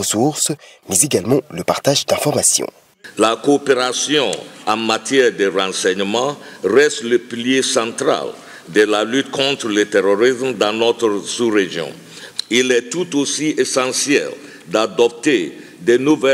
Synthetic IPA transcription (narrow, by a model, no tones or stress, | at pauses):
əsuʁsmɛzeɡalmɑ̃ləpaʁt̪aʒd̪ɛ̃fɔʁmasjɔ̰̃ | lakoːpeʁasjɔ̃ɑ̃mat̪jɛʁd̪eʁɑ̃sɛɲmɑ̃ʁɛst̪ləpiljesɑ̃t̪ʁa̰l | d̪əlalyt̪kʰɔ̃t̪ɾələt̪eʁoʁismd̪ɑ̃nɔt̪ʁəsuʁeʒjɔ̰̃ | ilɛt̪ut̪osiʔesɑ̃sjɛ̰l | d̪ad̪ɔp̚t̪e | d̪ɛnuvɛ